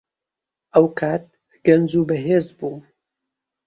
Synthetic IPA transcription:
ʔɐwkʰaːt̪̚ | ɡ̥ɐnd͡zuːbɐɦeːzbuː

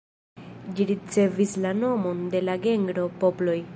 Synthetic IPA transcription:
d͡ʒiɾit͡se̞vislano̞mo̞nde̞laɡe̞ŋɡɾo̞po̞plo̞j

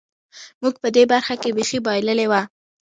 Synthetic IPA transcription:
muɡ̚pəd̪ebaɾxakebexibɑjləlewa

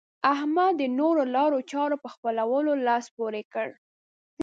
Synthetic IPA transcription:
ahmad̪ənoɾolɑɾot͡ʃɑɾopəxpəlawəlolɑspoɾekəɽ

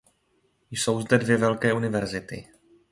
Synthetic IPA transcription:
jso̞wzdɛdvjɛvɛlkɛːʔunɪvɛɾzɪt̪ɪ̰

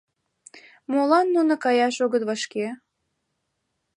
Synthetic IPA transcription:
molɑnːunə̆kɑjɑʃoɣət̪βəʃke

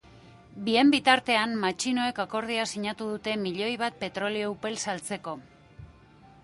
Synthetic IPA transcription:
bie̞mbit̪aɾt̪e̞ammat͡ʃino̞e̞kako̞ɾð̞iasiɲat̪uðut̪e̞miʎo̞jβ̞at̪̚pe̞t̪ɾo̞lio̞upe̞lsalt͡se̞ko̞

